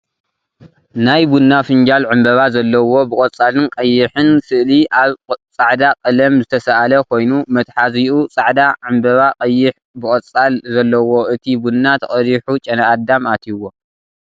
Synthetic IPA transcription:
najbunːafɨnd͡ʒalʕɨmbɐβazɐlːɐwo̞bɨkʼɐt͡sʼːalɨnkʼɐjːɪħɨnsɨʔliʔaβt͡sʼaʕd̪akʼɐlɐmzɨt̪ʰɐsɐʔalɐkʰo̞jnumɐt̪ħaziʔut͡sʼaʕd̪aʕɨmbɐβaqʼɐjːɪħ | bɨkʼɐt͡sʼːalzɐlːɐwo̞ʔɨt̪ʰibunːat̪ʰɐχʼɐɾiħut͡ʃʼɐnaʔad̪amat̪ʰiwo

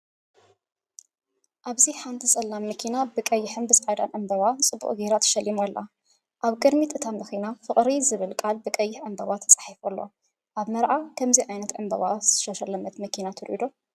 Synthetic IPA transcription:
ʔaβziħant̪ʰisʼɐlːamːɐkʰinabɨkʼɐjːɪħɨnbɨsʼad̪a̰nʔɨmbɐβat͡sʼɨbːṵʔʼɡeɾat̪ʰɐ̥ʃɐlːimolːʔa̰ | ʔaβkʼɨd̪mit̪ɨt̪ʰamɐxinafɨχʼɾizɨβɨlkʼalbɨkʼɐjːɪħʕɨmbɐβat̪ʰɐt͡sʼḁħifulːo̞̰ | ʔaβmɐɾʔakʰɐmziʕajnɐt̪ʕɨmbɐ̰βaz̥ɨʃɐʃɐlɐmɐt̪mɐkʰinat̪ʰɨɾʔḭd̪o

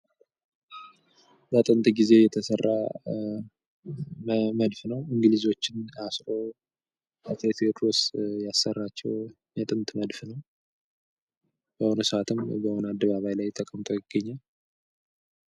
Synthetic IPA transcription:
bət̪ʼɨnt̪ʼɡize̞jɛt̪ʰəsərːa | məd̪fnəwɪŋɡlizo̞t͡ʃːɪnasɾo̞ | ət̪ʰet̪ʰet̪ɾosjasːərːat͡ʃːɛw | jɛt̪ʼɨnt̪ʼməd̪fnəw | b̥əhonəsɨat̪ʰɨmbəhonad̪ːəβaβajlajt̪ʰəkʼəmt̪ʼo̞jɪɡ̥ːəɲːal

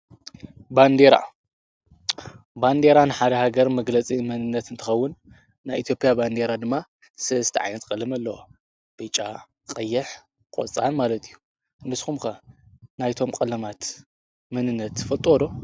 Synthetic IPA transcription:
band̪eɾa̰ | band̪e̞ɾanɨħad̪ɐhaɡɐɾmɐɡlɐt͡sʼimɨnɨnːɐt̪ɨnt̪ʰɨxɐwːʊnː | ajʔit̪ʰjo̞pʼijaband̪e̞ɾad̪ɨmːa | sɨst̪ʰiʕa̰jnɐt̪kʼɐlɨmɐlːɐwo | b̥ɨt͡ʃʼa | qʼɐjːɪħ | kʼo̰t͡sʼanmalɐt̪ʰijːu | nɨsxumkɐnajt̪ʰo̞mkʼɐlɐmat̪ | mɨnɨnːɐt̪ːfɐlt̪ʼwod̪o̞

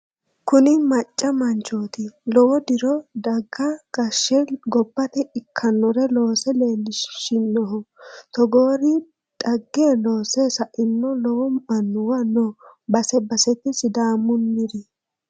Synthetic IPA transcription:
kʊnɪmɐt͡ʃʼːɐmɐnt͡ʃoːt̪ɪlɔwɔd̪ɪɾɔd̪ɐɡːɐɡ̥ɐʃːɛɡɔbːɐt̪ɛɪkʰːɐnːɔɾɛlo̞ːsɛle̞ːlːɪʃʃɪnːɔɦɔt̪ɔɡoːɾɪ | d̪̥ɐɡːeːlo̞ːse̞ːsɐʔɪnːɔlɔwɔmɐnːʊwɐnɔbɐsɛbɐsɛt̪ːɪsɪd̪aːmːʊnːɪɾɪ

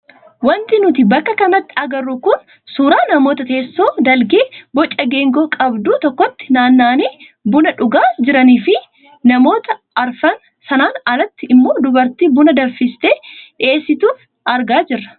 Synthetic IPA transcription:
wɐnt̪ɪnʊt̪̬ɪbɐkːɐkɐnɐt̪ːɪ̥ɐɡɐrːukʊn | suːɾaːnɐmo̞ːt̪ɐt̪e̞ːsːo̞ːd̪ɐlɡeːbɔt͡ʃʼːɐɡe̞ːŋɡoːkʼɐbd̪uːt̪ɔkːɔt̪ːɪ̥naːnːaːniː | bʊnɐᶑʊɡaːd͡ʒɪɾɐniːfɪ | nɐmo̞ːt̪ɐʔɐɾfɐn | sɐnaːnɐlɐt̪ːɪɪmːo̞ːd̪ʊbɐɾt̪iːbʊnɐd̪ɐfɪst̪eːᶑɪe̞ːsːɪt̪uːf | ɐɾɡaːd͡ʒɪrːɐ̥

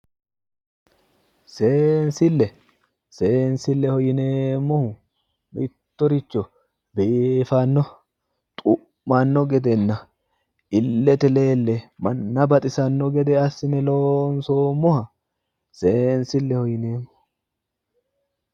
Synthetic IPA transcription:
se̞ːnsɪlːɛ | seːnsɪlːɛhɔjɪneːmːɔhʊ | mɪt̪ːɔɾɪt͡ʃːɔ | befɐnːɔ | t̪ʼʊː | anːɔɡɛd̪ɛnːɐ | ɪlːɛt̪ɛle̞ːlːɛmɐnːɐbɐt̪ʼɪsɐnːɔɡɛd̪ɛɐsɪnɛloːnsoːmːɔhɐ | seːnsɪlːɛhɔjɪneːmːɔ̥

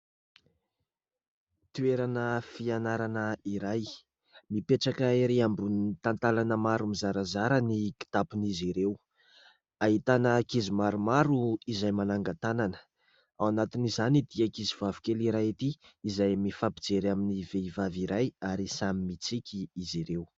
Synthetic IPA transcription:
t̪ueɾanəfianaɾanəiɾaj | mipeʈ͡ʂakaiɾeambunt̪ant̪alanəmaɾumizaɾazaɾəniki̥t̪apuniziɾew | aɦit̪anəkizimaɾumaɾuizajmanaŋɡat̪ananə̥ | awanat̪inizanid̪iakizivavi̥kʲeliɾajit̪iːzajmifapid͡zeɾaminiveivaviɾajaɾisamimit͡sikʲʰiːziɾew

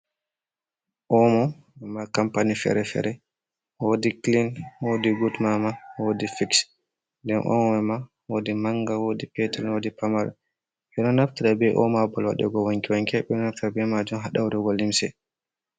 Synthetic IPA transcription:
ʔɔmɔ | wɛmakampanifɛ̰ɾɛfɛ̰ɾɛ | wodiklinwodiɡutmamawodifiks | ndɛnʔɔ̰mɔwɛma | wodimaŋɡawodipɛtalwodipamaɾ̰ | ɓɛnɔnaftiɾabɛʔɔ̰mabɔlwa̰ɗɛ̰ɡɔwoŋkiwaŋkɛɓɛnɔnaftiɾabɛmad͡ʒumɦaɗawɾɛɡɔlːimsɛ̰

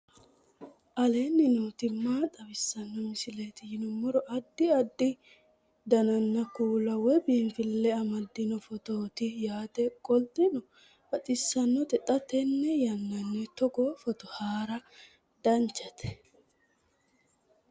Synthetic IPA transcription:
ʔɐleːnːɪnuːt̪ɪmːaːt̪ʼɐbɪsːɐnːɐmɪsɪleːt̪ɪjɪnɔmɔɾɔʔɐd̪ːɪɐd̪ːɪ | d̪ɐnɐnːɐkuːlɐwɛbiːnfɪlːɛɐmɐd̪ːɪnɔfɔt̪oːt̪ɪjaːt̪ɛkʼɔlt̪ɪnɔ | ɐt͡sʼɪsːɐnːɔt̪ɛt̪ʼɐt̪ɛnːɛjɐnːɐnːɛt̪ɔɡoːfɔt̪ɔhaːɾɐ | d̪ɐnt͡ʃːɐt̪ɛ̥

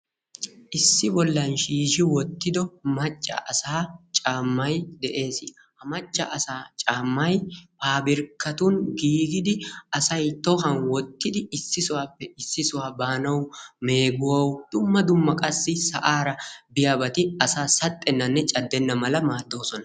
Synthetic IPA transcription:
ʔɪsːɪbɔlːɐnʃiːʃɪwɔt̪ːɪd̪ɔmɐt͡ʃʼːɐ̰ʔɐsaːt͡ʃʼaːmːɐjd̪ɛʔe̞ːsɪ | hɐmɐt͡ʃʼːɐ̰ʔɐsaːt͡ʃʼaːmːɐjpaːbɪɾkːɐt̪ʊnɡiːɡɪd̪ɪɐsɐjt̪ɔhɐnwɔt̪ːɪd̪ɪɪsːɪsʊwaːpːɛɪsːɪsʊwaːbaːnɐwme̞ːɡʊwɐwd̪̥ʊmːɐd̪ʊmːɐkʼɐsːɪsɐ̰ʔaːɾɐbɪjɐbɐt̪ɪɐsaːsɐt̪ʼːɛnːɐnːɛt͡ʃʼɐd̪ːɛnːɐmɐlɐmaːd̪ːo̞ːsɔnɐ

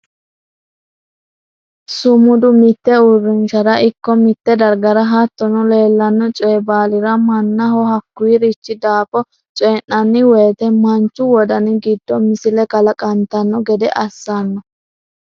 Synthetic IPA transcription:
sʊmʊd̪ʊmɪt̪ːɛʊrːɪnʃɐd̪ɐʔɪkːɔmɪt̪ːɛd̪ɐɾɡɐɾɐɦɐt̪ːɔnɔleːlːɐnːɔt͡ʃʼɛjbaːlɪɾɐmɐnːɐhɔhɐkːʊiɾɪt͡ʃːɪd̪aːfɔ | t͡ʃʼɛːnːɐnːɪweːt̪ɛmɐnt͡ʃːʊwɔd̪ɐnɪɡɪd̪ːɔmɪsɪlɛkʼɐlɐkʼɐnt̪ɐnːɔɡɛd̪ɛʔɐsːɐnːɔ

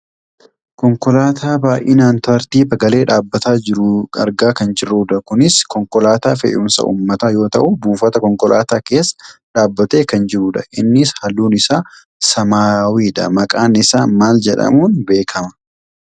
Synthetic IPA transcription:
kɔŋkɔlaːt̪ʰaːbaːʔɪːnaːnt̪ɐɾt̪iːfɐɡɐle̞ːᶑaːbːɐt̪aːd͡ʒɪɾʊɐ̰ɾɡaːkɐnd͡ʒɪɾuːᶑɐkʊnɪskɔŋkɔlaːt̪aːfɛ̰ʔʊmnsɐ̰ʔṵːmːɐt̪ajo̞ːt̪ɐʔʊbuːfɐt̪ɐkɔŋkɔlʔa̰ːt̪aːke̞ːsːɐ̥ᶑaːbːɐt̪e̞ːkɐnd͡ʒɪɾuːᶑɐ̰ʔɪnːɪshɐluːnɪsaː | sɐmaːwiːᶑɐ̰mɐkʼaːnɪsaːmaːld͡ʒɛᶑɐ̰muːnbe̞ːkʰɐmɐ̥

